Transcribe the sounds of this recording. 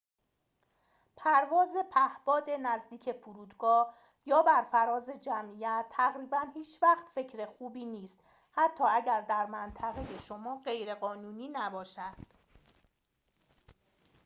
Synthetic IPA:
pʰæɾvɒːze̞pʰæhb̥ɒːd̪e̞næzd̪iːcʰe̞fuɾuːd̪ɡɒː | jɒːbæɾfæɾɒːze̞d͡ʒæmʔiːjæt̪ʰːæɣɾiːbænhiːt͡ʃʰvæxt̪fe̞cʰɾe̞xuːbiːniːst̪ | hæt̪ʰːɒːæɟæɾd̪æɾmænt̪ʰæɣe̞je̞ʃo̞mɒːɢe̞jɾe̞ɣɒːnuːniːnæbɒːʃæd̪̥

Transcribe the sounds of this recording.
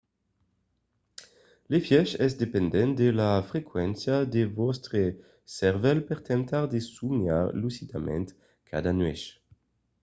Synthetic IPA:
lefjɛʃɛzd̪epend̪ɛnt̪̚d̪elafekwɛnsjad̪evɔst̪ʁe | sɛʁvɛlpɛʁt̪ɛ̃nt̪aʁd̪esuɲa̰ʁlusit̪amɛ̰̃nt̪ | kʰa̰d̪anwɛʃ

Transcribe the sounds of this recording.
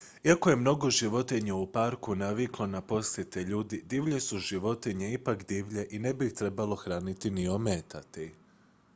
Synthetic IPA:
iako̞je̞mno̞ɡo̞ʒiʋo̞t̪iɲaupaɾkunaʋiklˠo̞napo̞sje̞t̪eʎuːd̪id̪iʋʎe̞suʒiʋo̞t̪iɲeipakd̪iːʋʎe̞ʔine̞bit̪ɾe̞balˠo̞xɾaːnit̪inio̞meːt̪at̪i

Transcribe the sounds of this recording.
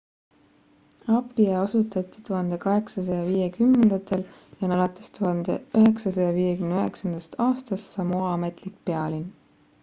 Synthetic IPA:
ɑpːˑieɑsut̪ˑɑt̪ˑːi̥t̪uɦɑnd̪̥e̞kɑɦe̞ksɑsɑjɑviːje̞kymnend̪̥ɑt̪ʰːˑe̞ljɑnɑlɑt̪ːˑest̪uɦɑnd̪̥ḛyɦe̞ksɑsɑjɑviːje̞kymnyøɦe̞ksɑnd̪̥ɑst̪ɑːst̪ɑst̪sɑmuɑme̞t̪ˑlik̚pe̞ɑlin

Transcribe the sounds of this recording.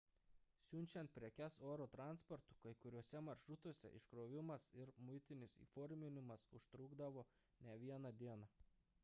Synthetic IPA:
sʲʊnʲt͡ʃʲɛnt̪̚pʲɾʲiɛkʲɛsoːɾoːt̪ɾɑˑnspɔɾt̪ʊkɐɪkʊɾʲuɔsʲɛmɐɾʃɾʊt̪oɔsʲɛ̰ʔɪ̰ʃkɾoːʋʲɪmɐsɪɾmʊɪt̪ʲɪnʲɪsḭːfɔːɾʲmʲɪnʲɪmɐsʊʃt̪ɾʊːɡd̪ɐʋoː | nʲɛʋʲiɛnɑd̪ʲiɛnɑ

